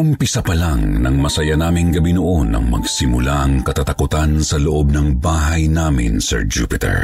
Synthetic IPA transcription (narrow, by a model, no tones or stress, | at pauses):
ʊmpɪsɐpɐlaŋnɐŋmɐsɐjanaːmɪŋɡɐbinoʔo̞nɐ̰ŋmɐ̰ɡsɪmʊlaʔɐŋkɐt̪at̪ɐkʊt̪ansɐloʔo̞b̚nɐŋbaːɦɐjnaːmɪ̰nsɛ̰ɹd͡ʒṵpɪt̪ɛ̰ɹ